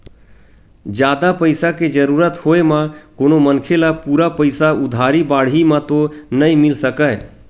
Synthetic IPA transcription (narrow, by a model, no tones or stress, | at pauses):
d͡ʒjaːd̪apəɪsaked͡ʒəɾuɾət̪hoemãkoːnomənkʰelapuɾapəɪsaʊd̪ʱaːɾibaːɽ̤imãt̪onəĩmɪlsəkəj